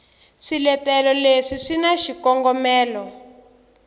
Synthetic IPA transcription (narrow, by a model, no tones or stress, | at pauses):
ʂilɛtɛlɔleʂiʂinaʃikɔŋɡɔmɛːlɔ